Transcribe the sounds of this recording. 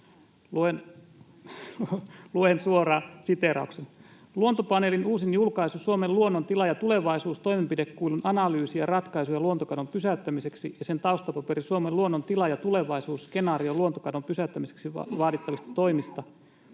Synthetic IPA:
luen | luensuorɑːsit̪eɾɑ̰uksen | luont̪opɑnelinuːsinjulkɑisusuomeluonːont̪ilɑjɑt̪ule̞ʋɑisuːst̪oimempidekkuilunʔɑnɑlyːsijɑrɑt̪kɑisujɑluont̪okɑnompysæyt̪ːæmise̞ksijɑsent̪ɑust̪ɑpɑpeɾisuomeluonːont̪ilɑjɑt̪uleʋɑisuːsskenɑːrioluont̪okɑnompysæyt̪ːæmiseksḭʋɑːdit̪ːɑʋist̪ɑ̥t̪o̞imist̪ɑ

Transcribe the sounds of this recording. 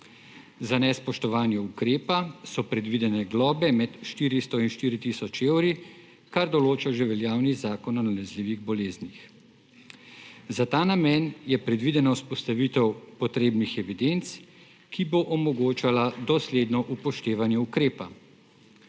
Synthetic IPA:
zanɛspɔʃt̪ɔʋaːnjɛukɾeːpasɔpɾɛd̪ʋid̪ɛnɛɡlɔːbɛmɛt̪ʃt̪iːɾist̪ɔinʃt̪iːɾit̪isɔt͡ʃeːwɾi | kaɾd̪ɔloːt͡ʃaʒɛʋɛljaːwnizaːkɔnɔnalɛzliːʋiɣbɔleːznix | zat̪aːnamɛnjɛpɾɛd̪ʋid̪ɛnɔspɔst̪aʋiːt̪ɛwpɔt̪ɾeːbnixɛʋid̪ent̪s | kiboʔɔmɔɡoːt͡ʃalad̪ɔsleːd̪nɔʔupɔʃt̪eːʋanjɛukɾeːpa

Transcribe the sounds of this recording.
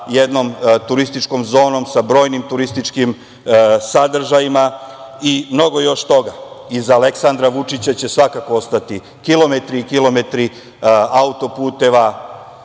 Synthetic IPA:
jed̪no̞mt̪uɾist̪it͡ʃko̞mzo̞ːno̞msabɾo̞ːjnimt̪uɾist̪it͡ʂkim | sad̪r̩ʒajimaimno̞ɡo̞jo̞ʃt̪o̞ɡaizale̞ksand̪ɾaʋut͡ʂit͡ɕat͡ɕe̞sʋakako̞ost̪at̪i | kilˠo̞me̞t̪ɾikilˠo̞me̞t̪ɾi | aut̪o̞puːt̪e̞ʋa

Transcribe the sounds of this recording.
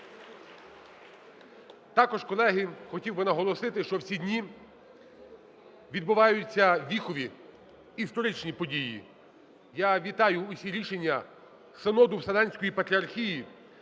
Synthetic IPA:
t̪ɑkɔʒkɔlˠɛɦɪxɔtʲiwbɪnɐɦɔlˠɔsɪt̪ɪʃt͡ʃɔwsʲidʲnʲi | ʋʲid̪̚bʊʋɑjʊt͡sʲːɐʋʲixɔʋʲiː | st̪ɔɾɪt͡ʃnʲipɔdʲijḭ | jaʋʲit̪ɑjʊːsʲiɾʲiʃenʲːɐ | senɔd̪ʊwsɐlɑnʲsʲkɔjipɐt̪ɾʲɐrxʲiji

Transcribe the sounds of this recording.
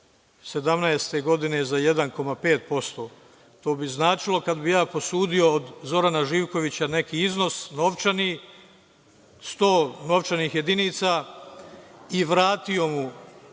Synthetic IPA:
se̞d̪amnaest̪e̞ɡo̞d̪ine̞zaje̞d̪anko̞mape̞ːt̪̚po̞st̪o̞ː | t̪o̞ːbiznaːt͡ʃilˠo̞kad̪bijaːpo̞suːd̪io̞ːd̪zo̞ɾanaʒiːʋko̞ʋit͡ɕane̞kiːiznosno̞ʋt͡ʃani | st̪o̞ːno̞ʋt͡ʃaniːxje̞d̪iniːt̪sa | iʋɾaːt̪io̞mu

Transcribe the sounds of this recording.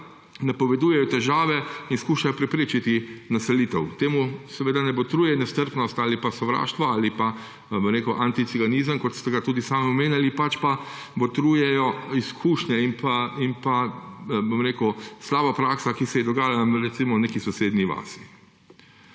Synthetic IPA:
napɔʋɛd̪uːjɛjɔt̪ɛʒaːʋɛinskuːʃajɔpɾɛpɾeːt͡ʃit̪inasɛliːt̪ɛwt̪eːmusɛʋeːd̪anɛbɔt̪ɾuːjɛnɛst̪əɾpnɔst̪aːlipasɔʋɾa̰ːʃt̪ʋɔaːlipa | bomɾeːkəwʔant̪it̪siɡaniːzəmkɔt̪st̪ɛɡat̪uːd̪isaːmiɔmeːnjalipat͡ʃpa | bɔt̪ɾuːjɛjɔiskʰuːʃnɛimpaimpabomɾeːkəslaːbapɾaːksakisɛjɛd̪ɔɡaːjalaɾɛt̪simɔneːkisɔseːd̪niʋa̰ːsi̥

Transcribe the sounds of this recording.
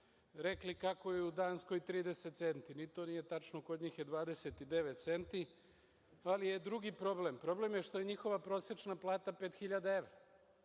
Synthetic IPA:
ɾeklikako̞jeud̪aːnsko̞jt̪ɾiːd̪eset̪t̪se̞nt̪init̪o̞nijet̪at͡ʃnoko̞d̪ɲiːxjed̪ʋaːd̪e̞set̪id̪e̞ʋet̪t̪se̞nt̪i | alije̞d̪ɾuɡipɾo̞ble̞mpɾo̞ble̞mjeʃt̪o̞jeɲixo̞ʋapɾo̞set͡ʃnaplˠaːt̪apet̪xiʎad̪ae̞ʋɾa

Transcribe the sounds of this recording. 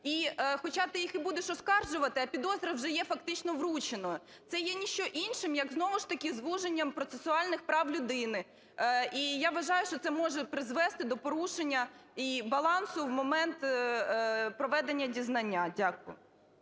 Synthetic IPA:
ixɔt͡ʃat̪ɪjixibud̪eʃɔskɑrʒʊʋɐt̪ɪɐpʲid̪ɔzɾɐwʒɛjɛfɐkt̪ɪt͡ʃnɔʋɾut͡ʃenɔ | t̪sɛjɛnʲiʃt͡ʃɔʔinʃɪmjɐɡznɔʋʊʃt̪ɐkʲizʋuʒenʲːɐmpɾɔt̪sesʊɑlʲnɪxpɾɑwlʲʊd̪ɪnɪ | ijaʋɐʒɑjʊʃt͡ʃɔt̪ɛmɔʒɛpɾɪzʋɛst̪ɪd̪ɔpɔɾuʃenʲːɐibɐlˠɑnsʊʋmɔmɛnt̪ | pɾɔʋɛd̪enʲːɐdʲiznɐnʲːadʲakʊjʊ̰

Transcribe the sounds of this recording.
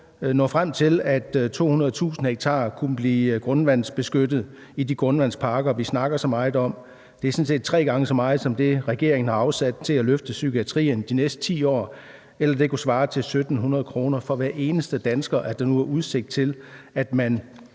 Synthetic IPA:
nɔ̰̽ːfʁam̰t͡sʰe̝læd̥t͡sʰo̝̰ːhunɐð̞̩ˠt͡sʰṵːsn̩heɡ̥̚t͡sʰɑ̰̈ːkʰunəb̥liːɡ̥ʁɔ̽nʋæn̰sb̥e̝sɡ̥ød̥ð̞̩ˠ | idiɡ̥ʁɔ̽nʋæn̰spʰɑ̈ːɡ̥ɐʋisnɑ̈ɡ̥ɐsɒ̽mɑ̈ːð̩ˠɒ̽m̰ | d̥e̝æɐsɔ̽n̩se̝̰ːd̥̚t͡sʰʁɛ̰ːɡ̥ɑ̈ŋəsɒ̽mɑ̈ːð̩ˠsɒ̽md̥e̝ʁɛɡ̥e̝ɐeŋən̩ɑ̈ɑ̈ʊsæd̥̚t͡sʰe̝læløfd̥əsykʰiæt͡sʰʁḭːnd̥inesd̥ə̥t͡sʰḭːɒ̰ː | elɐd̥e̝kʰusʋɑ̈ːt͡sʰe̝lsød̥n̩ɦunɐð̞̩ˠkʰʁo̝ːnɐfɒ̽ʋæɐʔe̝ːnəsd̥əd̥ænsɡ̥ɐʔæɐd̥anuæʔuðˠse̝ɡ̥̚d̥̚t͡sʰe̝læd̥mæn

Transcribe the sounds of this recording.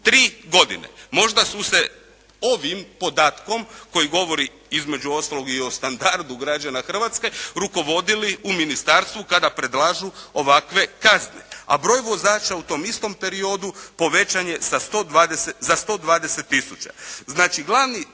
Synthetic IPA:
t̪ɾiːɡo̞d̪ḭnḛmo̞ʒd̪asuse̞ | o̞ʋimpo̞d̪aːt̪ko̞mko̞jiɡo̞ʋo̞ɾi | izme̞d͡ʒuo̞st̪alo̞ɡio̞st̪and̪aɾd̪uɡɾad͡ʒanaxr̩ʋat̪ske̞ɾuko̞ʋo̞d̪iliuminist̪aɾst̪ʋukad̪apɾe̞d̪lˠaʒuo̞ʋakʋe̞kaznḛa̰bɾo̞ːjʋo̞zaːt͡ʃaut̪o̞ːmist̪o̞mpe̞ɾio̞d̪upo̞ʋe̞t͡ʃaɲe̞sast̪od̪ʋaːd̪esezast̪o̞d̪ʋaːd̪e̞set̪ːisut͡ʃa̰znaːt͡ʃiɡlˠaʋni

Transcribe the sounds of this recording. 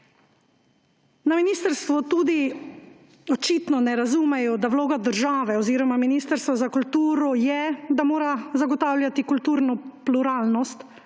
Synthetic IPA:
naminiːst̪əɾst̪ʋɔt̪uːd̪i | ɔt͡ʃiːt̪nɔnɛɾazuːmɛjɔd̪awloːɡad̪əɾʒaːʋɛɔziːɾɔmaminiːst̪əɾst̪ʋɔzakult̪uːɾɔjɛd̪amoːɾazaɡɔt̪aːwljat̪ikult̪uːɾnɔpluɾaːlnɔst̪

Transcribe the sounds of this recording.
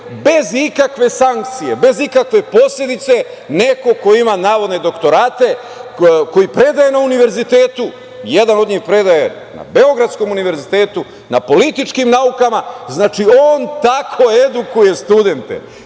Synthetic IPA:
be̞zikakʋe̞saŋk̚t̪sije̞be̞zikakʋe̞po̞sʎʲe̞d̪it̪se̞ | ne̞ko̞ko̞imanaːʋo̞d̪ne̞d̪o̞kt̪o̞ɾaːt̪e̞ | ko̞jipɾe̞d̪aje̞nauniʋe̞ɾzit̪e̞ːt̪u | je̞d̪ano̞d̪ɲiːxpɾe̞d̪aje̞ | na̰beo̞ɡɾat̪sko̞muniʋe̞ɾzit̪eːt̪u | na̰po̞lit̪it͡ʃkimnaukamaznaːt͡ʃio̞ːnt̪akʰo̞ed̪ukuje̞st̪ud̪e̞nt̪ḛ

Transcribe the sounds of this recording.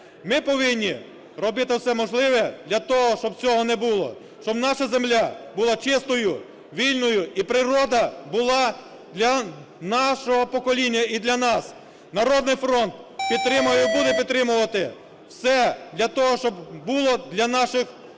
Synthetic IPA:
mɪpɔʋɪnʲːi | rɔbɪt̪ɪwsɛmɔʒlˠɪʋɛd̪lʲɐt̪ɔɦɔʃt͡ʃɔb̚t͡sʲɔɦɔnɛbulˠɔ̰ | ʃt͡ʃɔbnɑʃɐzemlʲabʊlˠɑt͡ʃɪst̪ɔjʊ | ʋʲilʲnɔjʊipɾɪɾɔd̪ɐbʊlˠɑ | d̪lʲɐ | nɑʃɔɦɔpɔkɔlʲinʲːɐid̪lʲɐnɑs | nɐɾɔd̪nɪjfɾɔnt̪̚pʲid̪̚t̪ɾɪmʊjɛbud̪ɛpʲid̪t̪ːɾɪmʊʋɐt̪ɪ | wsɛd̪lʲɐt̪ɔɦɔʃt͡ʃɔbbulˠɔd̪lʲɐnɑʃɪx

